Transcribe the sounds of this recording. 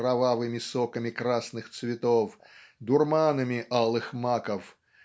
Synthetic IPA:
ɾavavɨmʲisɔkɐmʲikɾasnɨxt̪svʲɪt̪ɔf | d̪ʊrmanɐmʲiʔalˠɨxmakɐf

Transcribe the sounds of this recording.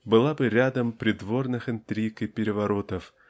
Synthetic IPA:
bɨlˠabɨɾʲad̪əmpɾʲɪd̪vo̞rnɨxɨnt̪ɾʲikɨpʲɪɾʲɪvɐɾot̪əf

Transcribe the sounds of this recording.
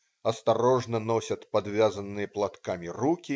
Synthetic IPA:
ɐst̪aɾɔʐnɐnɔsʲɐt̪pad̪vʲazɐnːɨjɐplˠat̪kamʲirukʲi

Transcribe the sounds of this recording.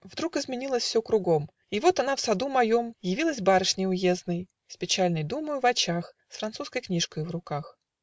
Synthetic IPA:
vd̪ɾukɨzmʲɪnʲilˠəsʲfsʲokɾʊɡo̞m | ɪvo̞t̪ɐnafsɐd̪umɐjo̞mjɪvʲilˠəsʲbaɾəʂnʲɪjʊje̞znəj | spʲɪt͡ɕalʲnəjd̪umʊvɐt͡ɕax | sfɾɐnt̪suskəjknʲiʂkəjvrʊkax

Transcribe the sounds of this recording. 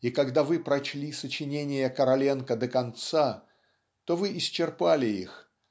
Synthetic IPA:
ikɐɡd̪avɨpɾɐt͡ɕlʲisət͡ɕɪnʲenʲɪjəkəɾɐlʲenkəd̪əkɐnt̪sa | t̪o̞vɨʔɪst͡ɕːɪrpalʲɪḭx

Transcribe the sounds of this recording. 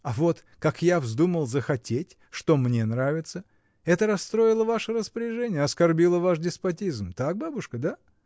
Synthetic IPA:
avo̞t̪ | kakjavzd̪uməlˠzəxɐtʲetʲ | ʂt̪o̞mnʲe̞nɾavʲɪt̪sə | ɛt̪əɾɐst̪ɾo̞ɪlˠəvaʂəɾəspəɾʲɪʐɛnʲɪjəɐskɐrbʲilˠəvaʂdʲɪspɐtʲizmt̪ak̚babʊʂkəd̪a

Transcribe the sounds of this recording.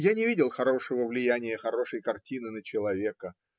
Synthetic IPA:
janʲɪvʲidʲɪlˠxɐɾo̞ʂəvəvlʲɪjænʲɪjəxɐɾo̞ʂəjkɐrtʲinɨnət͡ɕɪlˠɐvʲe̞kə

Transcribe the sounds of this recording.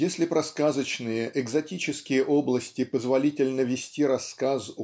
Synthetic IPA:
jesʲlʲɪpɾɐskazət͡ɕnɨjəʔɛɡzɐtʲit͡ɕɪskʲɪjəʔoblˠəsʲtʲɪpəzvɐlʲitʲɪlʲnəvʲɪsʲtʲiɾɐsːkas

